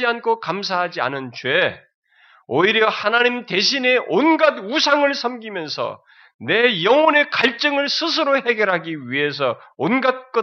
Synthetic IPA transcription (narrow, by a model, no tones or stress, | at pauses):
iankʰokams̬ʰaɦad͡ʑia̰nɯnt͡ɕwe | oiɾjʌhanaɲimte̞ɕʰine̞ʔonɡadusʰaŋɯɭsʰʌmɡimjʌnsʰʌ̰ | ne̞jʌŋone̞kaɭt͡ɕ͈ʌŋɯɭsʰɯs̬ʰɯɾohe̞ɡjʌɾɦaɡiɥiɦe̞s̬ʰʌ | onɡat̚k͈ʌ